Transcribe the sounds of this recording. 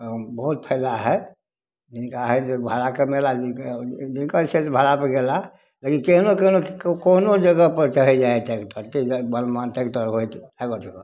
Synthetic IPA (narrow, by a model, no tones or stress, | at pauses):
bəɦut̪̚pʰəɪlaɦɛ | d͡ʒinkaɦɛt̪bʱalakemelad͡ʒkd͡ʒinkasetbʱalapəɡela | lekinkeɦnokenokonod͡ʒəɡəpəɾt͡ʃəɦɛd͡ʒaɛt̪ekʈəɾt̪ibənmant̪ekʈəɾɦojt̪aɡot͡ʃəkə